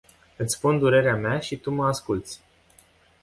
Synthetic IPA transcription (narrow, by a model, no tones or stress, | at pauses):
ɨt̪sʲspund̪uɾe̞ɾeameaʃit̪uməaskult̪sʲ